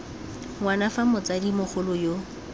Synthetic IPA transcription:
ŋwanafamʊt͡sadimʊχʊlʊjo

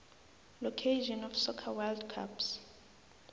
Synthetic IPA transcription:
lɔkʰeʃɔnɔfsɔkʰawaldkʰa̰ps

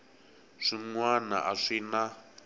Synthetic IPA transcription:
ʂiŋwana̰ʔaʂina

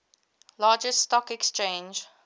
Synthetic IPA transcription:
lɑːd͡ʒəstɔkɛkst͡ʃẽnd͡ʒ

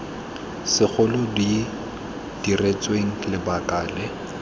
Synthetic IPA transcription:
sɪk͡xʰʊlʊdi | d̥iret͡sʼweŋ̩lɪbakʼaːlɛ

